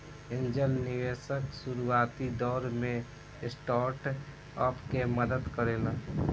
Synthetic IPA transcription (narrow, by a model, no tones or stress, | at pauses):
ɪ̃nd͡ʒəlnɪʋeːʃəksuɾuaːt̪id̪ɔːɾmẽ | sʈaːɾʈ | ɔpkeməd̪əd̪kəɾeːla